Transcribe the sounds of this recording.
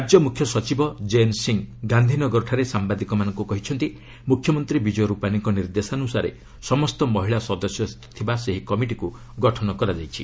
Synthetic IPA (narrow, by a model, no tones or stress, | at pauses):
ad͡ʒjɔmukʰjɔsɔt͡ʃibɔd͡ʒensiŋɡand̪ʱinɔɡɔɾɔʈʰaɾesambad̪ikɔmanɔŋkukɔɦit͡ʃʰɔnt̪i | mukʰjɔmɔnt̪ɾibid͡ʒɔjɔɾupaniŋkɔniɾd̪esanusaɾḛ | sɔmɔst̪ɔmɔɦiɭasɔd̪ɔsjɔ | t̪ʰibaseɦikɔmiʈiku | ɡɔʈʰɔnɔkɔɾad͡ʒajt͡ʃʰi